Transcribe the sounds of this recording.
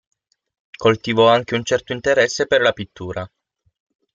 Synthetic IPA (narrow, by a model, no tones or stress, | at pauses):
kolt̪ivɔaŋk̟eunt͡ʃɛrt̪oint̪eɾɛsːeperlapit̪ːuːɾa